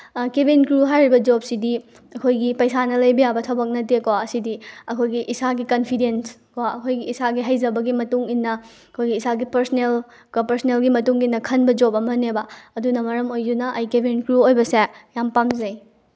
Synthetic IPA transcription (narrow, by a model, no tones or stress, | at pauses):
kebʱinkɾuɦajɾibɐd͡ʒop̚sidi | ɐkʰojɡipɐjsanɐlɐjbɐjabɐtʰɐbɐk̚nɐt̬ekowaɐsidiɐkʰojɡiʔisaɡikɐnpʰidenskoaɐkʰojɡiːsaɡiɦɐjzɐbɐɡimɐtuŋinːɐ | kʰojɡiːsaɡipɐɾsnel | kapɐɾsnelɡimɐtuŋinːɐkʰɐnbɐd͡ʒopɐmɐnebɐɐdunɐmɐɾɐmojdunɐʔɐjkebʱinkɾuojbɐsejampamzɐj